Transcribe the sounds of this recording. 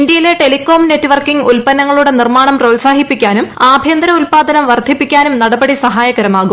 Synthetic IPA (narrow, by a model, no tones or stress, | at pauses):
ind̪jɐjile̞ʈelikːo̞ːmne̞tːuʋɐrkiŋɡulpɐnːɐŋːɐɭuɽe̞nirmaːɳɐmroːlsaːɦipːikʲːaːnumaːbʱjɐnd̪ɐɾɐulpaːd̪ɐnɐmʋɐrd̪ʱipːikʲːaːnumnɐɽɐbɐɽisɐɦaːjɐɡɐɾɐmaːɣum